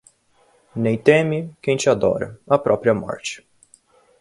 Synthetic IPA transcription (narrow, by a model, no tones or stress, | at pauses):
nẽj̃t̪ẽmɪkẽj̃t͡ʃɪad̪ɔ̰ɾɐ̰ɐpɾɔpɾiɐmɔ̰ɾt͡ʃɪ̥